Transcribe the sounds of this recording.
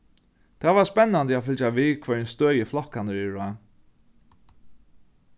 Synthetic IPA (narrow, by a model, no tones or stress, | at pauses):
t̪ʰɛːvaɹspɛnːand̪əafɪlt͡ʃaviːkʰvœɹnst̪øːjəflɔhkand̪əɾɪɹa